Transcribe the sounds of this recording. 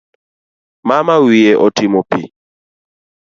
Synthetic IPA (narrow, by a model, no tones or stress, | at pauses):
mamawiɛʔɔtimɔpḭ